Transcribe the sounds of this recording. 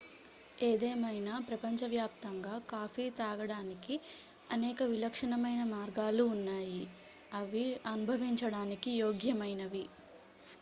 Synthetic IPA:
eːd̪ɛːmɐjnaːpɾɐpɐɲt͡ʃɐʋjaːp̚t̪ɐŋɡaːkaːfiːt̪aːɡɐɽaːniki | ɐnɛːkɐʋilɐkʂɐɳɐmɐjnɐmaːɾɡaːluːnːaːji | ɐʋiɐnubʱɐʋiɲt͡ʃɐɽaːnikijoːɡjɐmɐjnɐʋi

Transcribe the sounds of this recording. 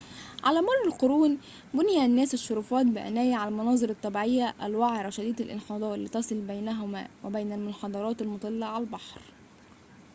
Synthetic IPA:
ʕalæːmʊlˤːælqoɾuːn | bʊnɪjænːæːsɪʃːoɾuːfɑːt̪̚bɪʔæ̰næːjiʕalælmɑnɑːzˤɨɾɑt̪ˤːɑbiʕejːæʔælwaʕɾˤɑʃæd̪iːd̪ælʔɪ̰nxɑːd̪ˤɑːlːiːt̪ɑsˤɨlbæjnæɦʊmæ̰ːwʔæbæjnælmʊnħɑd̪ˤɑɾˤɑːt̪ælmot̪ˤɑlːɑʕalælbɑħɾ

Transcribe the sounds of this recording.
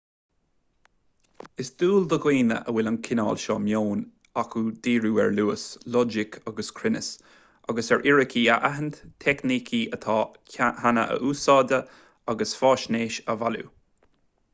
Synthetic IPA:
ɪsd̪̥uːld̪əɡwiːnə̰ʔəwɪlənkʰɪnɑːlʃɔːmjoːn | akʰud̪iːɹuːɛ̰ɹluːəslɔd͡ʒɪkʰaɡəskʰɾɪnəs | aɡəsɛɹʔɪɹəkʰiːəʔaɦənt̪t̪ʰɛknikʰiət̪ʰɑː | hanə̰ʔə̰ʔuːsɑːd̪ə | aɡəsfɑːʃneːʃəvalṵ

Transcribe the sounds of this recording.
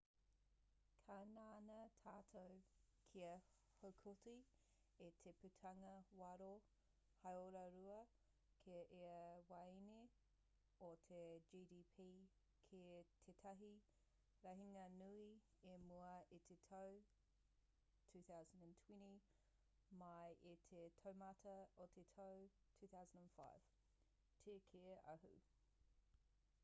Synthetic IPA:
kʰananɐtʰaːtʰow | kʰiɐ | howkʰoti | etʰeputʰɐŋɐwɐɾo | hɐjoɾɐɾuɐ | kʰeɐʔeɐwɐjni | ot̪ʰed͡ʒiːdiːpʰiː | kʰetʰetʰɐɦi | ɾɐɦiŋɐnui | emuɐit̪ʰetʰɐw | tʰʉːθawzəndə̃ntʰwɛ̃nti | mɐjʔet̪ʰetʰɐwmɐtʰɐot̪ʰetʰɐw | tʰʉːθawzə̃ndə̃nfa̰ɪv̥ | tʰekʰeʔɐ̰ɦṵ

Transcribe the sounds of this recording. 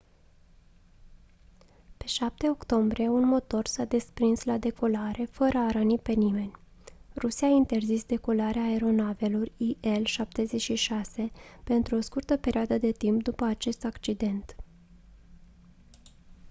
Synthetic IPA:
pe̞ʃap̚t̪e̞o̞kt̪o̞mbɾie̞unmo̞t̪o̞rsad̪e̞spɾinslad̪e̞ko̞laɾe̞fəɾəaɾənipe̞nime̞nʲ | rusiaint̪e̞rzisd̪e̞ko̞laɾeaːeɾo̞nave̞lo̞rʲiʔe̞lʃap̚t̪e̞ze̞t͡ʃʃiʃase̞pe̞nt̪ɾuo̞skurt̪əpe̞ɾʲioad̪əd̪e̞t̪impd̪upəat͡ʃe̞st̪akt͡ʃid̪e̞nt̪

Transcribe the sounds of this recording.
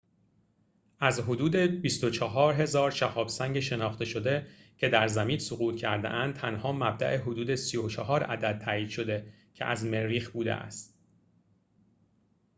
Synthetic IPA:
ʔæzɦo̞d̪uːd̪e̞bist̪o̞t͡ʃʰɒɦɒːɾɦe̞zɒːɾʃæhɒːbsæŋɟeʃe̞nɒːxt̪e̞ʃo̞d̪e̞cʰe̞d̪æɾzæmiːnsoɣuːt̪cʰæɾd̪ḛʔænd̪̚t̪ʰænhɒːmæb̚d̪æ̰ʔeɦo̞d̪uːd̪e̞sijot͡ʃʰɒɦɒːɾæ̰d̪æd̪̚tʰːæːiːd̪̥ʃo̞d̪e̞ | cʰḛʔæ̰zme̞ɾiːxbuːd̪ḛʔæ̰st̪

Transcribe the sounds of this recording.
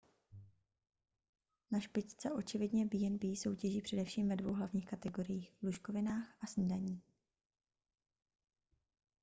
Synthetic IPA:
naʃpɪct͡sɛʔo̞t͡ʃɪvɪdɲɛbɪjɛnbɪjiːso̞wcɛʒiːpr̥ɛdɛfʃiːmvɛdvowɦlavɲiːxkat̪ɛɡo̞ɾɪjiːxvluʃkovɪnaːxʔasn̩daɲiː

